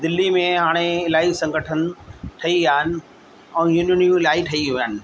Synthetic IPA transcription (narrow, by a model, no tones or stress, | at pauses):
d̪ɪlːimẽɦaːɽ̃eɪlaːisɐ̃ŋɡʱəʈʰənɪ̆ʈʰɐiaːɦɪnɪ̆ | ɛ̃ːjunʊnjũɪlaːiʈʰɐiɦʊjaːnɪ̆